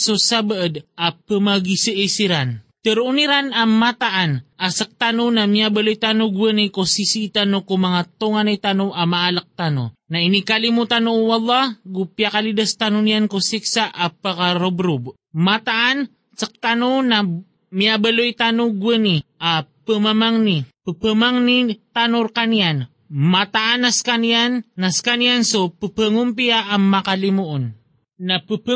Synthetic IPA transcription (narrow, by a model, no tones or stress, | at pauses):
susabəʔəd̪apəmaɡisiʔisiɾant̪əɾʔuniɾanamat̪aʔanʔasək̚t̪anonamiabəlojt̪anʊɡwənikosisit̪anokumaŋat̪oŋanajt̪anoʔamaʔalak̚t̪ano̰nainikalimut̪anoʔwɑlˠˤːɑhɡupjakalidəst̪anʊnijankusiksaʔapakaɾobɾub | mat̪aʔan | sək̚t̪anona | miabəlojt̪anuɡwəniʔapəmamaŋnipəpəmaŋnit̪anoɾkanijan | mat̪aʔanaskanannaskanijansopəpəŋumpiaʔaŋmakalimuʔon | napəp